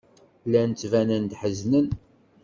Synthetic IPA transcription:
lːænt͡sːvænænd̪ħəznən

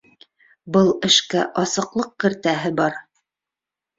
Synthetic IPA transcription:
bɤlˠɘ̆ʃkæʔɑsɤ̆qlˠɤq̚kɘ̆ɾt̪æɦɘbɑɾ

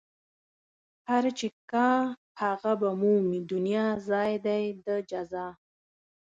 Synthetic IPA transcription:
haɾt͡ʃekɑ̃ | haɣabamumid̪ʊnijɑzɑjd̪ajd̪əd͡ʒazɑ

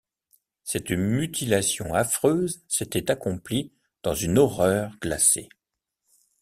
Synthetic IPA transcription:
sɛt̪myt̪ʰilasjɔ̃afχøzset̪ɛt̪akɔ̃pli | d̪̥ɑ̃zynɔʁœʁɡ̥lase

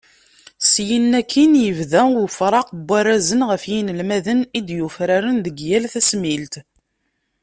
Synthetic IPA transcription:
sjənːækʰːinjəvðæwfɾˤɑqbːæɾæzənʁəfjinəlmæðənid̪jufɾaɾənðəɡjælθæsmilt̪

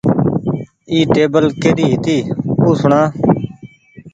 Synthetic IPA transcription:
iːʈeːbəlkeːɖiːɦɪt̪iːuːsʊɳãː

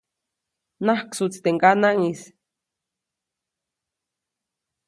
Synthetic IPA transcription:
nahksut͡st̪eŋkanaŋis

